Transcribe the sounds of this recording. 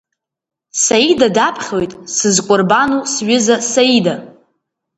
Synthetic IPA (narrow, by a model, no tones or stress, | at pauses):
saidadapʰχʲojtʼsɨzkʷʼʊrbanusɥɪzasaida